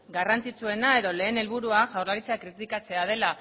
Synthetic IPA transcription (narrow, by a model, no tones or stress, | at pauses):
ɡarant͡sit͡sue̞nae̞ðo̞le̞ːne̞lβuɾuaʝawrlaɾit͡seakɾit̪ikat͡se̞að̞e̞la